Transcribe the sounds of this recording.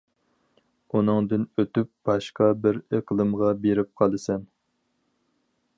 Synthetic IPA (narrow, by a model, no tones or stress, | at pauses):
unɨŋd̪ɨnøt̪yp̚b̥ɑʃqɑbɪɾeqlˠɨmʁɑbeɾɪp̚qʰɑlˠɨsɛn